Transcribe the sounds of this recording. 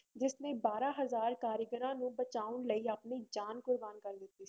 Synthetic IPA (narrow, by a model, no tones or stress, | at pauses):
d͡ʒɪsnẽbaːɾaɦɐzaːɾkaːɾjəɡəɾãːnũbət͡ʃaːʊnləiɐpnid͡ʒaːnkʊɾbaːnkɐɾlɪt̪iː